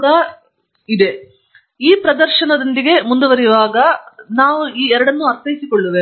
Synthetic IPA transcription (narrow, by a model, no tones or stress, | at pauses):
ɡɐ | id̪e̞ | iːpɾɐd̪ɐɾʃɐnɐd̪ɐnd̪iɡe̞mund̪uʋɐɾijʋaːɡɐnaːʋuiːɛɾɐɽɐnːuɐɾt̪ʰːɐjisikoɭːuʋeː